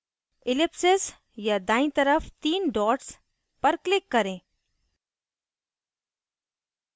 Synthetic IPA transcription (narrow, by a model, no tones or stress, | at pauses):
ɪlɪpsɪz | jad̪aːĩt̪ɐɾəft̪iːnɖɔːʈs | pɐɾklɪkːɐɾẽː